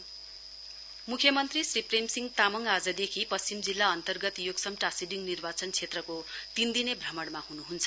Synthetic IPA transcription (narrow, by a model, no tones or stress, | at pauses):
mukʰjʌmʌnt̪risripremsiŋɡt̪amʌŋad͡zʌd̪ekʰipʌst͡simd͡zilːaʌnt̪ʌrɡʌt̪joɡsʌmʈasiɖiŋnirbat͡sʌnt͡sʰet̪rʌkot̪ind̪inebʱrʌmʌɽmahunuɦunt͡sʰʌ